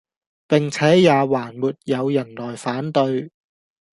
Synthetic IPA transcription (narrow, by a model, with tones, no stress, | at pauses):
pɪ˨˩ŋt͡sʰɛː˨˥jaː˨˧waː˨˩nmuː˨t̚jɐ˨˧wjɐ˨˩nlɔː˨˩jfaː˨˥nt̪ɵ˧ɥ